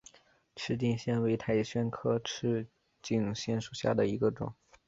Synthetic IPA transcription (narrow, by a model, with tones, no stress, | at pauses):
ʈ͡ʂʰɻ̩˥˧t͡ɕi˥˧ŋɕjɛ˥nwe˧˥ɪt̪ʰa˧˩ɪɕɥɛ˥nkʰɤ˥ʈ͡ʂʰɻ̩˥˧ | t͡ɕi˥˩ŋɕjɛ˥nʂu˨˩ɕja̰˥˩d̪ə˩i˧˥ɡə˧ʈ͡ʂʊ̰˨˩˦ŋ